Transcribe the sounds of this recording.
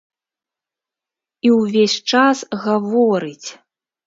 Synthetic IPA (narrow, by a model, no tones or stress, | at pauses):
iwvʲesʲt͡ʂasɣavɔɾɨt͡sʲ